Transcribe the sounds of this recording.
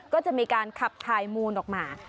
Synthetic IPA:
kɔː˥˩t͡ɕa˨˩ʔmiː˧kaː˧nkʰa˨˩p̚t̪ʰaː˧jmuː˧nʔɔː˨˩k̚maː˧

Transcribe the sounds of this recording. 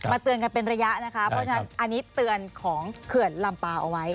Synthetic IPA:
ma˧t̪ɯ˧ənk̬a˧npe˧nɾa˧ja˦˥ʔna˦˥kʰa˦˥pʰɾɔ˦˥t͡ɕʰa˧na˦nʔa˧ni˦˥t̪ːɯ˧ənkʰɔː˩˦ŋkʰɯ˨˩ənla˧mpaː˧˩ʔa˧wa˦˥j

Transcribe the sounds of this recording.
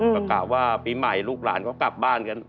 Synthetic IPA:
a˧kaː˨˩p̚waː˥˩piː˧ma˨˩jluː˥˩k̚la̰ː˩˦nkʰaː˦˥wkla˨˩p̚baː˥˩nka˧˦n

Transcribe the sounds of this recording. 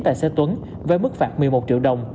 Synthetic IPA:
t̪a̰ː˧˨jsɛ˧˥t̪wə˨˦n | ve˨˩˦mɨ˦˥k̚faː˨˩t̚mɨ˨˩əjmo˨˩t̚t͡ɕḭ˧˨əwɗə˨˩wŋ͡m

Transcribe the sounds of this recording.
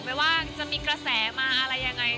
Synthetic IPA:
ma˥˩jwaː˥˩t͡ɕa˨ʔmiː˧kɾa˧sɛː˩˦maː˧ʔa˧ɾa˧jːa˧ŋːa˧j

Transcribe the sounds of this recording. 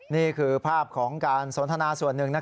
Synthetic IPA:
niː˥˩kʰɯː˧pʰaː˥˩p̚kʰɔː˩˦ŋkaː˧nso˩˦nt̪ʰa˧naː˧su˨˩ənːɯ˨˩ŋna˦˥

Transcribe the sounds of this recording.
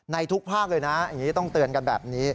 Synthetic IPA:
na˧jt̪ʰu˦˥k̚pʰaː˥˩k̚lɤː˧jna˦˥ja˨˩ŋiː˦˥t̪ɔ˥˩ŋt̪ɯ˨˩ənka˧nbɛː˨˩p̚niː˦˥

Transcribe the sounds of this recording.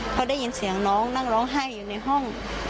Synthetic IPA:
kʰɔː˧˦da˥˩jːi˧˦nsi˨˩˦ɐŋnɔː˦˥ŋna˧˥˩ŋɾɔː˨˦˥ŋɦaː˧˥˩jːuː˨na˧˩jɦɔ˥˩ŋ

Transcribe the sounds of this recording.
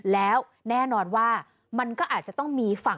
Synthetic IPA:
lɛː˦˥w | nɛː˥˩nɔː˧nwaː˥˩ | ma˧nkɔː˥˩ʔaː˨˩t̪̚t͡ɕa˨˩t̪ɔ˥˩ŋmiː˧fa˨˩

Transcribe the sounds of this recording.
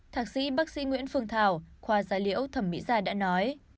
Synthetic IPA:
t̪ʰaː˨˧˩k̚sḭ˧˥ɓaː˦˥k̚sḭ˧˥ŋwḭ˧˥ənfɨ˨˧əŋt̪ʰaː˨˩wxwaː˨˩zaː˨˦lḭ˧˥əwt̪ʰə˧˩mːḭ˧˥zaː˧˩ɗa̰ː˧˥nɔ˨˦j

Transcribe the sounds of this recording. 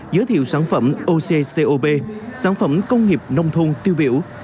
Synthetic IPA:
zəː˨˦jt̪ʰḭ˧˨wsaː˧˩˦nfə˧˩mʔo˧se˧se˧ʔo˧ɓe˧saː˧˥˦nfə˧˩mkə˧wŋ͡mŋi˨˩əp̚nə˧wŋ͡mt̪ʰo˧ŋt̪i˧wɓi˧˩əw

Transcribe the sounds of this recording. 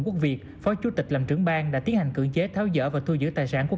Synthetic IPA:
ku˦˥ək̚vi˨˩ək̚fɔ˨˦t͡ɕu˨˦t̪ï˨˩k̟̚laː˨˩mt͡ɕɨ˧˩əŋɓaː˧ŋɗa̰ː˧˥t̪i˨˦ənha˨˩ŋ̟kɨ̰˧˩əŋt͡ɕe˨˦t̪ʰɛː˨˦wzə̰ː˧˥vaː˨˩t̪ʰu˧zɨ̰˧˥t̪aː˨˩jsaː˧˩nku˧˥ə

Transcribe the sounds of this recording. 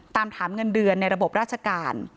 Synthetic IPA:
t̪aː˧mt̪ʰaː˩˦mŋɤ˧ndɯ˧ənːa˧jɾa˧bo˨˩p̚ɾa˥˩t͡ɕʰa˧kaː˧n

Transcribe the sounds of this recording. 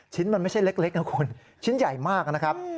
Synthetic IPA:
t͡ɕʰi˦˥nma˧nma˥˩jt͡ɕʰa˥˩jle˦˥k̚le˦˥k̚na˦˥kʰu˧n | t͡ɕʰi˦˥nja˨˩jmaː˥˩k̚na˦˥kʰa˦˥p̚

